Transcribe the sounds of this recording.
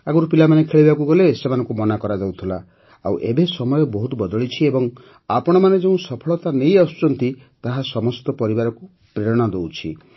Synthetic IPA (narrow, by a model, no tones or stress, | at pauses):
aɡuɾupilamanekʰeɭibakuɡɔlesemanɔŋkumɔnakɔɾad͡ʒawt̪ʰila | a̰wʔebesɔmɔjɔbɔɦut̪ɔbɔd̪ɔɭit͡ʃʰiebɔŋ | apɔɽ̃ɔmaned͡ʒeũsɔpʰɔɭɔt̪anejasu̥t͡ʃɔnt̪i | t̪aɦasɔmɔst̪ɔpɔɾibaɾɔku | pɾeɾɔɽ̃ɔd̪ewt͡ʃʰḭ